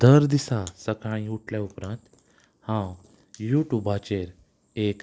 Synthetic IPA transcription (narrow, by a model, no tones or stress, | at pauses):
d̪əɾd̪isasəkaɽ̃ĩuʈʰljaupɾãnt̪ | hãw | juʈjuːbat͡ɕeɾ | ek